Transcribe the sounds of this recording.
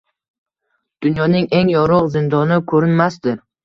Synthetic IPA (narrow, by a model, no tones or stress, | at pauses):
d̪̥ʊnjɒnɪŋʔe̞ŋjɒɾʊqzɪnd̪ɒnɪkʰɵɾɪnmasd̪ɪɾ